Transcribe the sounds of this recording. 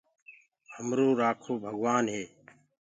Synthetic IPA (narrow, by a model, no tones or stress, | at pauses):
həmɾoːɾaːkʰoːbʱəɡʋaːnɦeː